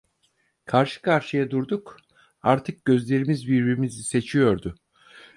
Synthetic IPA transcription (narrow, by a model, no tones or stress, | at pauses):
kʰaɾʃɯ̥kʰaɾʃɯjad̪uɾd̪uk | aɾt̪ʰɯk̚ɟø̞zlʲe̞ɾimizbiɾbiɾimizise̞t͡ʃʰijo̞ɾd̪ʊ